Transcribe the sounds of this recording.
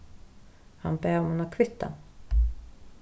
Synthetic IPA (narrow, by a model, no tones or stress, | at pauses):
ha̰nbɛːɾɔmhʊnaɾkʰvɪt̪ːa̰n